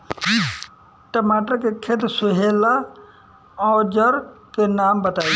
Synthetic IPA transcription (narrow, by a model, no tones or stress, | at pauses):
ʈəmaːʈəɾkekʰet̪sʊɦeːla | ɔːɾd͡ʒəɾkenaːmbət̪aːi